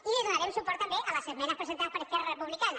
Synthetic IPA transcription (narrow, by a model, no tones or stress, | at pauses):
ilezðunaɾɛmsupɔɾt̪ːambeʔaləsəmɛnaspɾesent̪aspəɾəskɛrarəpuβlikana